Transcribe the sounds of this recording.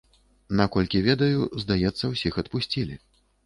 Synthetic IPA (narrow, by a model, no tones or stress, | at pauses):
nakɔlʲkʲivʲɛd̪ɐjuzd̪ajɛt̪sːɐwsʲixɐt̪pusʲt͡sʲilʲi